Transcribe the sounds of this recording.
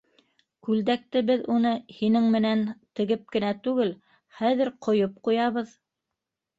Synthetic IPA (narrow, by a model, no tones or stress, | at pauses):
kʉld̪æk̚t̪ɘbɘðunɤhinɘŋmɘ̆nænt̪ɘ̆ɡɘp̚kɘ̆næt̪ʉɡɘl | χæðɘɾqŏjop̚qujɑβɤð